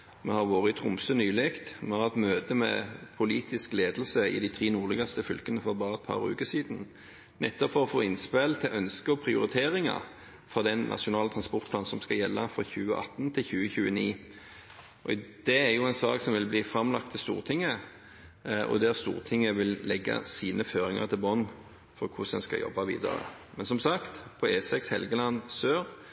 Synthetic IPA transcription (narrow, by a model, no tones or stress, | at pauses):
mɛhɑʁʋoːʁəɪt̪ʰʁʊmsənyːlɪkt̪mɛhɑʁɛt̪møːt̪əmɛ̰pʰʊliːt̪ɪskleːd̪l̩səɪ̰d̪ɪt̪ʰʁiːnuːʁlɛɡɑst̪əfʏlkənəfɔbɑːʁəɛt̪̚pʰɑ̰ʁʉ̰ːkəsiːd̪n | nɛt̪ːɔpfɔʁɔfoːɪnspelt̪ʰɪʔœnskəɔpʰʁɪʊ̰ɾɪt̪ʰeːʁɪŋɑ̰ | fʁɑd̪ɛnnʔɑ̰ʂʊnɑːlət̪ʰʁɑnspɔʁt̪pʰlɑnsɔmskɑjɛlːɑfɾʁɑ̰çʉːəʔɑ̰t̪ːnt̪ʰɪlçʉːəçʉːəniː | ʔɔd̪̥ɛæʁjʊɛnsɑːksɔmʋɪlbliːfɾɑmlɑkt̪ʰːɪlst̪ṵːʁt̪ʰɪŋːə | ʔɔ̰d̪æʁst̪ṵːʁt̪ʰɪŋːəʋɪllɛɡːɑ̰siːnəføːɾɪŋɑ̰ʁt̪ʰɪlbɔnː | fɔʁkʰʊsɛ̰nskɑ̰jɔ̰bːɑʋḭːd̪ə̰ɾə̰mɛnsɔmsɑkt̪pʰɔeːsɛkshɛlɡəlɑnːsøːʁ